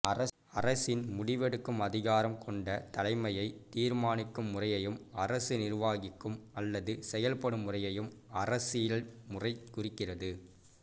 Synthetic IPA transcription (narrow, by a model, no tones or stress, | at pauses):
ɐrɐ | ɐrɐsɪnmʊɽɪʋɛɽɯkːɯmɐðɪɣaːɾɐmkɔɳɖɐt̪ɐlɐɪmɐjɐɪt̪iːɾmaːnɪkːɯmːʊrɐjɐjɯmɐrɐsɯnɪrʋaːɣɪkːɯmɐlːɐðɯsɛjɐlpɐɽɯmːʊrɐjɐjɯmɐrɐsiɐmʊrɐɪkːʊrɪkːɪrɐðɯ